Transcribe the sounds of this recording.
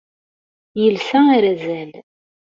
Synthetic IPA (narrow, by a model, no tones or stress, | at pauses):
jəlsæaɾæzæl